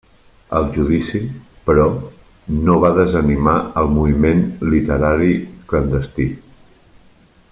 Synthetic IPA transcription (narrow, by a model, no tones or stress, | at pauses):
ə̰lˠʒuðisi | pɾɔ | noβ̞aðəzənimaəlˠmuβimenlit̪əɾaɾiklənd̪əst̪i